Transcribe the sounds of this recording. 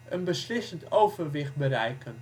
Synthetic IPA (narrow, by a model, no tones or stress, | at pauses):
ʔənbəslɪsəntowvərʋɪχt̚bəɾɛjkʰən